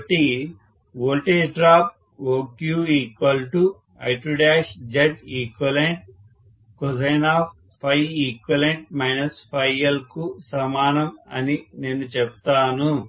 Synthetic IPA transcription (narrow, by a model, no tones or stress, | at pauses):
ʈi | ʋoːlʈeːd͡ʒɖɾaːp̚ | oːkjuːiːkwɐlʈu | ɐ̰jʈɾuɖeːʂd͡ʒɐd͡ʒiːkwɐleɳʈ̚ | kɔzɐːnaːp | pʰːɐjiːkwɐleɳʈ̚mɐjnɐspʰɐjːɐlkusɐmaːnɐmɐ̰nineːnːut͡ʃɛp̚t̪aːnu